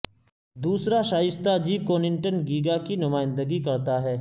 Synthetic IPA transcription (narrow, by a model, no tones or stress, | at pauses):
d̪uːsɾaʃaːɪst̪ad͡ʒiːb̚koːnɪ̃ɳʈənɡiːɡakinʊmaːɪ̃nd̪əɡikɐɾt̪aɦɛː